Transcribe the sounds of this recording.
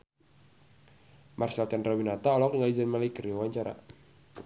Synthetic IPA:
marsalt̪ɛndɾawinat̪aɔlɔkiŋlizanmalikəriawaɲt͡ʃaɾa̰

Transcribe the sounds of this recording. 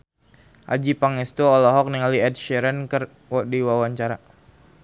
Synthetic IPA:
ʔa̰d͡ʒipaŋist̪uɔlɔɦɔk̚niŋaliɛd̚ʃɛɾənkər | wdiwawaɲt͡ʃaɾa

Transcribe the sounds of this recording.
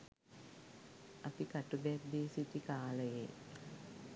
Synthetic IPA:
apikaʈubɛd̪iːsitikaːləjḛ

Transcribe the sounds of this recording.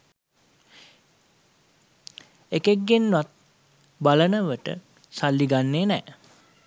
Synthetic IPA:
ekeɡːenːʋat̪̚ | balənəʋəʈə̰ | salːiɡanːeːnɛː

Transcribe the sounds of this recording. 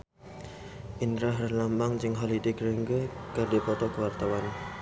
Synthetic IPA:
ʔind̪ɾaɦərlambaŋt͡ʃɪŋɦɔlid̪ikɾəŋɡəkərdipɔt̪ɔkəwart̪awan

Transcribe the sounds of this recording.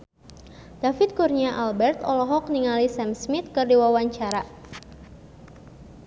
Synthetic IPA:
d̥afɪt̪̚kurɲaʔalbɛrt̪ɔlɔɦɔk̚niŋalisɛmsmit̪̚kɨrdiwawaɲt͡ʃaɾa

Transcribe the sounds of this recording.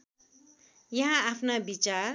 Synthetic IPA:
jʌɦãːpʰnabit͡sa

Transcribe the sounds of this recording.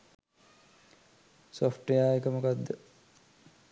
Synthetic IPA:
sofʈejaːekəmukad̪ːə

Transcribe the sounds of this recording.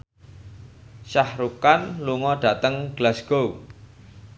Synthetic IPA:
ʃahɾukanluŋɔɖ̥ä̤t̪əŋɡ̥lasɡ̥ou

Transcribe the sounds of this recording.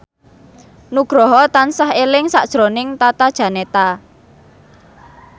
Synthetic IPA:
nuɡ̥ɾɔɦɔt̪ansahelɪŋsa̰ʔd̥ʒ̥ɾonɪŋt̪at̪ad̥ʒ̥a̤net̪a

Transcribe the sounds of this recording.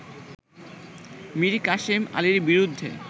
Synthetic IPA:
miɾkaʃima̰liɾbiɾud̪ʱːḛ

